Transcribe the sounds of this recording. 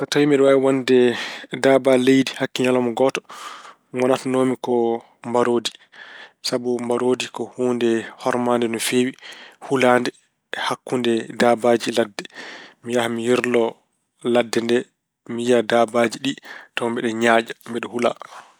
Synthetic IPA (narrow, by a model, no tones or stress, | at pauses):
tɔtawimɛɗɔwaiwandɛdabalejdihakːiɲalɔmɔɡɔtɔ̥ | ŋwanatanomikɔ | mbaɾoːdi | sabumbaɾodikɔhuːndɛhɔɾmandɛnɔfeːwihulaːndɛ | hakːundɛdabad͡ʒiladːɛmijahamijiɾlɔ | ladːɛndɛ | mijadabad͡ʒiɗitɔmbɛɗɛɲaːd͡ʒambɛɗɔhula̰